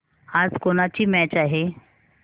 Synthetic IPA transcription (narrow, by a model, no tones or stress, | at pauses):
ad͡zkoɽ̃at͡ɕiːmɛt͡ɕaɦe